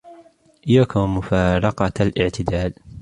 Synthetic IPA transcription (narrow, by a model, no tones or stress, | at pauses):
ʔɪjːaːkamʊfɑːɾˤɑqɑalʔɪʕt̪ɪd̪aːl